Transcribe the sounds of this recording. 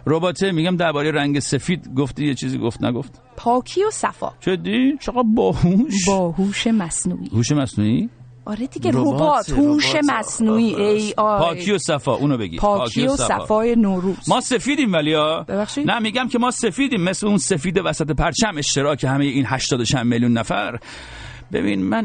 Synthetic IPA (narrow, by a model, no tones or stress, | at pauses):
ɾobɒːt̪ʰemiːɡɟæmd̪æɾbɒːɾejeɾæŋɟese̞fiːd̪ɡoft̪ijet͡ʃʰiːzḭːɡoft̪næ̰ɡoft̪ | pʰɒːkʰiosæfɒ̰ːt͡ʃʰed̪it͡ʃʰeɡæb̚bɒːhuʃbɒːhuːʃemæsnṵːʔihuːʃemæsnuːi | ʔɒɾed̪iɡeɾoob̪huoʃemæsnuːiːʔejɒːpʰːkʰijosæfɒ̰ːʔuːnobeɡḭpʰːkʰioossææ̰fɒːjenoɾu̥ːmɒːse̞fiːd̪iːmvæliɒːbebæxʃid̪næmiːɡæmkʰemɒːse̞fiːd̪iːmːesleunsefiːd̪evæsæt̪ʰepʰæɾt͡ʃʰæme̞ʃt̪e̞ɾɒːcʰehæmejeiːnhæʃt̪ɒːd̪ot͡ʃʰæmmeljunːæfæɾ | bḛbḭnmæn